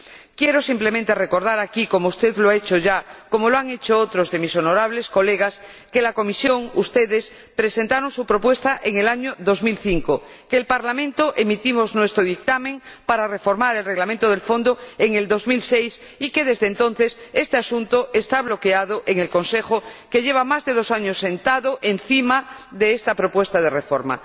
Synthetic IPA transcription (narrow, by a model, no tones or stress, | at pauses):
kjeɾosimplemẽnt̪e̞re̞ko̞ɾðaɾakiko̞moust̪eðloaet͡ʃoʝako̞moloaŋe̞t͡ʃoot̪ɾozðemisonoɾaβ̞le̞sko̞leɣ̞as | kelako̞misjo̞ŋust̪eðes | pɾese̞nt̪aɾoŋsupɾopwe̞st̪aʔeŋe̞laɲoðo̞zmilθiŋko | keːlpaɾlamẽ̞nt̪oʔe̞mit̪imoznwe̞st̪ɾoðik̚t̪amẽŋ | paɾare̞fo̞ɾmaɾelre̞ɣlamẽnt̪oð̞elfõ̞nd̪oeŋe̞ld̪o̞zmilsejs | ike̞ðe̞zðeːnt̪õ̞n̟θe̞se̞st̪easunt̪oʔest̪aβ̞lo̞keað̞oʔeŋelkõ̞nsexoke̞ʎeβ̞amazðeð̞o̞saɲosːe̞nt̪aðoʔenθimaðeest̪apɾo̞pwe̞st̪aðe̞refoɾma̰